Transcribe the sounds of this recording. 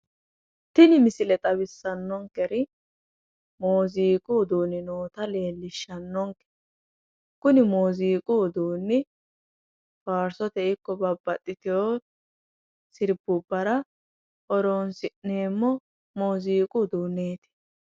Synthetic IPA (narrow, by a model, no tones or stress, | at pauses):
t̪ɪnɪmɪsɪlɛt̪ʼɐbɪsːɐnːɔŋkɛɾɪ | moːziːkʼud̪uːnɪnoːt̪ɐle̞ːlːɪʃːɐnːɔŋkɛ̥ | kʊnɪmoːziːkʼuːd̪uːnːɪ | baːɾsɔt̪ɛɪkːɔbɐbːɐt̪ʼːɪt̪ɪjoː | sɪɾbʊbːɐɾɐ | ɔɾoːnsɪʔneːmːɔ | moːziːkʼud̪uːnːeːt̪ɪ̥